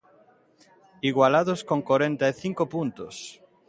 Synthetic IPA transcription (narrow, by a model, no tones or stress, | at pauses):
iɣwalaðoskoŋkoɾẽnt̪aeθiŋkopunt̪os